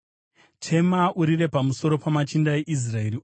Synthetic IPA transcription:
tʰe̞mauɾiɾe̞pamuso̞ɾo̞pamat͡ʃindaeʔis̬rae̞ɾi

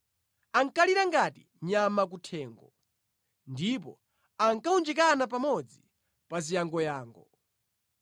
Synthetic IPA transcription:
aŋkaliɾaŋɡati | ɲamak̬utʰɛːŋɡɔ | ndip̬ɔ̰ | aŋkaund͡ʒɛk̬anap̬amɔd͡zi | pazijaŋɡɔjaːŋɡɔ

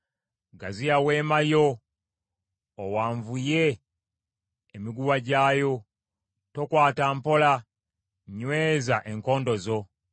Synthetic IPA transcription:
ɡazijaweːmajo̞ | waːɱvuje | miɡuwaɟaːjo̞ | to̞kwaːtampo̞la | ɲweːzaʔe̞ŋko̞ːndo̞zo̞

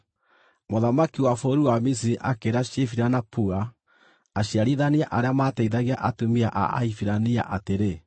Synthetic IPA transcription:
moðamakiwafoɾuamis̬iɾiʔakeɾaɕefiɾanapuaː | ɕiaɾiðaniaʔaɾeamataiðaɣaʔatumiaʔa̰a̰ifiɾania̰ʔateɾe

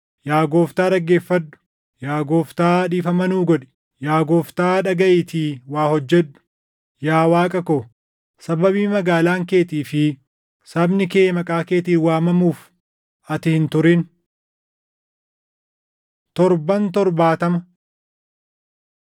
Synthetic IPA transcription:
jaːɡoːft̪aːᶑɐɡːe̞ːfːɐd̪ːʊ̥ | jaːɡoːft̪aːᶑiːfɐmɐnuːɡɔᶑɛ̥ | jaːɡoːft̪aːᶑɐɡɐʔiːt̪ʰiːwaːhɔd͡ʒːɛᶑːʊ̥ | jaːwaːkʼɐkoː | sɐbɐβiːmɐɡaːlaːŋke̞ːt̪iːfɪ | sɐbnɪkeːmɐkʼaːke̞ːt̪iːnwaːmɐmuːf | ɐt̪ɪhɪnt̪ʊɾɪn | t̪ɔɾbɐnt̪ɔɾbaːt̪ɐmɐ

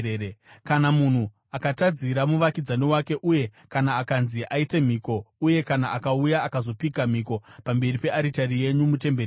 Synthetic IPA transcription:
ekanamun̤u | akatad͡ziɾamuʋakid͡zaniwake̞ʔuje̞ | kanaːkanziʔaite̞m̤iːko̞uje̞kanaʔakaujaːkazo̞pikam̤iko̞pambe̞ripe̞ʔaɾitarije̞ɲumute̞mber

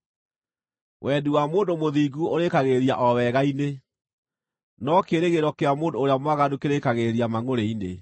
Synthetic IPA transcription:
wʔɛduwamoːndomoðiːɡuoɾekaɣeɾiaʔɔwɛɣaine | nɔkeɾeɣeɾɔkeamoːndoːɾeamwaɣadukeɾekaɣeɾiamaŋoɾeinḛ

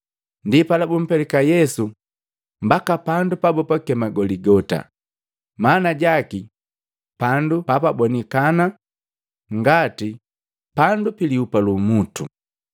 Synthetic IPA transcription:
ndipalabum̩pɛlɛkajɛsu | mbakapandupabɔpakɛmaɡɔliɡɔta̰ | maːnaɟaki | pandupapabɔnikana | ŋɡati | pandupiliupalumutṵ

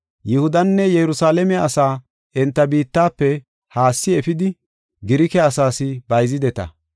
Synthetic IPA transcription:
jɪhʊd̪ɐnːɛjɛɾʊsaːlɛmɛɐsaː | ɛnt̪ːɐbiːt̪ːaːpːɛ | haːsːɪɛfɪd̪ɪ | ɡɪɾɪkɛɐsaːsɪbɐjzɪd̪ɛt̪ɐ̰

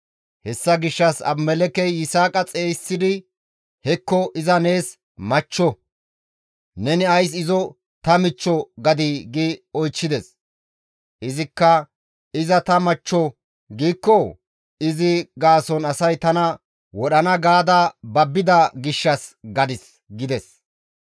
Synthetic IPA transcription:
hɛsːɐɡɪʃːɐsɐ̰bmɛlɛkɛjːɪsaːkʼɐt͡sʼeːsːɪd̪ɪ | hɛkːɔʔɪzɐne̞ːs | mɐt͡ʃːɔ | nɛnɪɐjs̬ɪzɔ | t̪ɐmɪt͡ʃːɔɡɐd̪iɡɪɔjt͡ʃːɪd̪ɛs | ʔɪzɪkːɐ | ɪzɐt̪ɐmɐt͡ʃːɔ | ɡiːkːɔ | ɪzɪɡaːsɔnɐsɐjt̪ɐnɐ | wɔɗɐnɐɡaːd̪ɐbɐbːɪd̪ɐɡɪʃːɐsɡɐd̪ɪs | ɡɪd̪ɛs

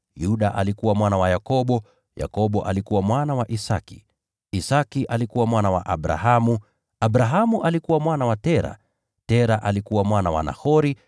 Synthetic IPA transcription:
juɗaʔalikuwamwanawajakɔɓɔ | ja̰kɔɓɔʔa̰likuwamwanawaʔisakḭ | isakiʔalikuwamwanawa̰ʔaɓɾa̰ɦamu | aɓɾaɦamuʔalikuwamwanawatɛɾa̰ | tɛɾaʔalikuwamwanawa̰na̰hɔɾi

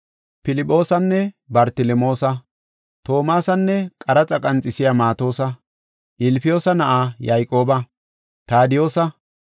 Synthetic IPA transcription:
pɪlɪpʼːo̞ːsɐnːɛ | bɐɾt̪ɪlɛmo̞ːsɐ | t̪o̞ːmaːsɐnːɛkʼɐɾɐt͡sʼɐkʼɐnt͡sʼɪsɪjamaːt̪o̞ːsɐ | ʔɪlpɪjo̞ːsɐnɐʔaːjajkʼo̞ːbɐ | t̪aːd̪ɪjo̞ːsɐ

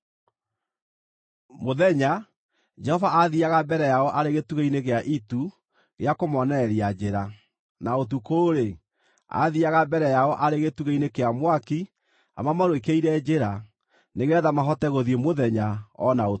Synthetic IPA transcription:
moðɛɲa | d͡ʒɛhɔvaʔaðiaɣabɛɾɛjaɔʔaɾeɣetuɣeineɣeaʔitu | ɣeakomɔnɛɾiad͡ʑeɾa | naot̬ukoɾe | a̰ðiaɣabɛɾɛjaɔʔaɾeɣetuɣeinekeamwaki | a̰mamaɾwekeiɾɛd͡ʑeɾa | neɣɛðamaɦɔtɛɣoðiemoðɛɲaɔnao

